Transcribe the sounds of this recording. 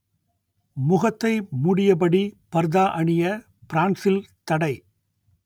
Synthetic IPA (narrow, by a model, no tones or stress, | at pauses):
mʊɣɐt̪ːɐɪmʊɽɪjɐp̬ɐɽipɐɾðaːʔɐɳɪjɐ | pɾaːnsɪlt̪ɐɽɐɪ